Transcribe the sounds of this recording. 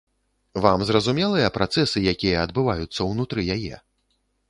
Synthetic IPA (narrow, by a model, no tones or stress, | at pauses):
vamzrɐzumʲɛlˠɨjɐpɾat̪sɛsɨjakʲijɐːd̪̚bɨvajut̪sːɐwnut̪ɾɨjajɛ̰